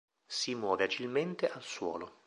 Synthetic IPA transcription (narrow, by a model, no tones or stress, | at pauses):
simwɔːvead͡ʒilment̪eʔalswɔ̰ːlo